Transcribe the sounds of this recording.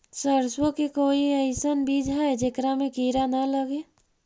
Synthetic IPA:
səɾswəkekoːiəɪsənbiːd͡ʒʱaed͡ʒekɾamẽkiːɾanaləɡe

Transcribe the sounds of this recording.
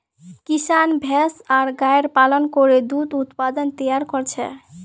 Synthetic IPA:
kisanbʱɛsaɾɡajɾpalɔnkɔɾed̪ud̪ut̪pad̪ɔnt̪ɔjaɾkɔɾt͡ʃʰɛ̰

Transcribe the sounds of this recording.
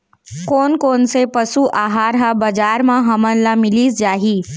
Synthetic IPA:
koːnkoːnsepəsuʔaːɦaːɾɦabəd͡ʒaːɾmãɦɐmənlamɪliːsd͡ʒaːɦiː

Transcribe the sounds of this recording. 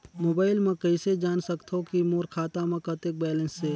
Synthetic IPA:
moːbaːɪlmɐ̃kəɪsed͡ʒaːnsəkt̪ʰokimoːɾkʰaːt̪amɐ̃kət̪ek̚bɛːlə̃nsːe

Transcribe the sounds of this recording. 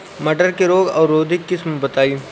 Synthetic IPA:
mɐʈəɾkeɾoːɡɔːɾːoːd̪ʱɪkːɪsmbɐt̪aːiː

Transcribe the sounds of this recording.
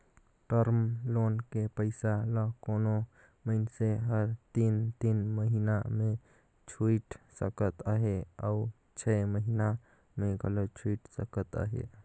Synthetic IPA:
ʈəɾmlonkepəɪsaləkono | məɪnseɦəɾt̪int̪inməɦinamẽ | t͡ʃʰuiʈsəkət̪əɦea̰u | t͡ʃʰɛməɦina | meɡʱəlot͡ʃʰuiʈsəkət̪ə̰ɦḛ

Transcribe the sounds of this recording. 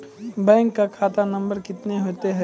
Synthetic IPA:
bɛ̃ːŋkːakʰaːt̪anɐ̃mbəɾkɪt̪neɦoːt̪eɦɛ

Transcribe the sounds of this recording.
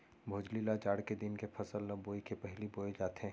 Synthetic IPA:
bʱoːd͡ʒlilad͡ʒaːɽked̪ɪnkepʰɐsəlːɐboːikepɛɦliboːed͡ʒaːt̪eɦɛ̃ː

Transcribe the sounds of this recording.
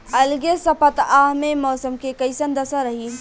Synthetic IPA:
ɐlɡesɐpət̪aːɦmẽmɔːsəmkekɐisɐnd̪əsaɾɐɦiː

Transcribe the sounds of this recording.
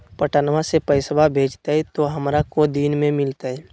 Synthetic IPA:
pəʈaːnʋasepəɪsbʱabʱeːd͡ʒt̪aɦɛt̪oɦəmɾakod̪iːnmẽmɪlt̪aɦɛː

